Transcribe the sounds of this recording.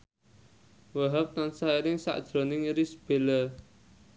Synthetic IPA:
wəɦap̚t̪ansaiɾɪŋsa̰ʔd̥ʒ̥ɾo̤nɪŋɾisb̥e̤lə

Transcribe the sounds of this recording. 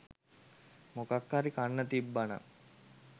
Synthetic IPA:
mokakːaɾikanːət̪ibːanə̰

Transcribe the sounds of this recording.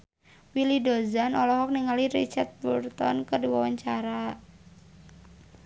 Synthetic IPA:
wilidozanɔlɔɦɔk̚niŋaliɾḭt͡ʃart̪̚burt̪ɔ̰nkədiwawaɲt͡ʃaɾa

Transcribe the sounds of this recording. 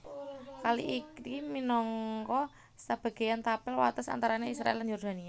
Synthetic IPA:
kalḭʔikiminɔŋkɔ | sab̥a̤ɡ̥a̤jant̪apɪlwa̰t̪ɔsa̰nt̪aɾaneisɾa̰ʔɛldanjɔrd̪̥a̤nia

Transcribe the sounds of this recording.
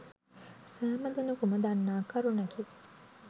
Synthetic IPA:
sæːmɐd̪ɐnukumɐd̪anːaːkɐɾunɐki

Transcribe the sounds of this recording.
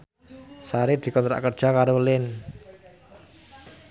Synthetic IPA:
saɾɪd̪̥i̤kɔnt̪ɾa̰ʔkərd̥ʒ̥a̤kaɾolɪn

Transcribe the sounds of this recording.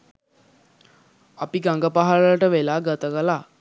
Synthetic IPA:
apiɡaŋɡəpaɦalələʈəʋelaːɡət̪əkəla

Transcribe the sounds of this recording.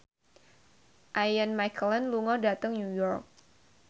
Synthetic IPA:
ʔajanmajkʰələnluŋɔdat̪əŋnujɔrk̚

